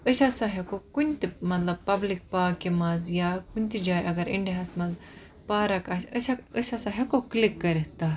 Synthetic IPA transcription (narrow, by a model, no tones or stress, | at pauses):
əsʲasɐɦekokunt̪imɐt̪lɐb̚pːɐblik̚paːkːimɐzjakunʲt̪id͡ʒaːjʔɐɡɐɾḭɳɖiɦɐsmɐz | paːɾɐkɐsəsaəsasɐɦekoklikːɐɾɐɦt̪a